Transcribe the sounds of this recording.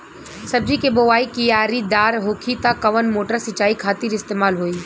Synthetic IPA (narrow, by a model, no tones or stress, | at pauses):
sɐb̚d͡ʒʱikeboʋaːikijaːɾid̪aːɾɦoːkʰit̪akːɐʋənmoːʈəɾsɪt͡ʃaːikʰaːt̪iɾɪst̪eːmaːlɦoːiː